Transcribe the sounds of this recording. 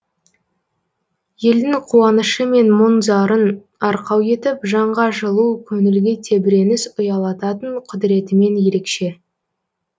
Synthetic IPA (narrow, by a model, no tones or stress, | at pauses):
je̞ld̪ɪŋqʰuɑnəʃəme̞nmʊnzɑɾən | ɑɾqɑwje̞t̪ɪpʒɑɴʁɑʒəlˠukʲʰɵŋɪlɡʲet̪ʰe̞bɪɾe̞nɪsʊjɑlˠɑt̪ɑt̪əɴqʰʊd̪ɾe̞t̪ɪme̞nje̞ɾe̞kʃe̞